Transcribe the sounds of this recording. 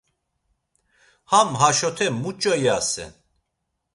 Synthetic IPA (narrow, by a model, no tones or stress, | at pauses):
hamɦaʃɔt̪ʰɛmut͡ʃʼɔjasɛ̰n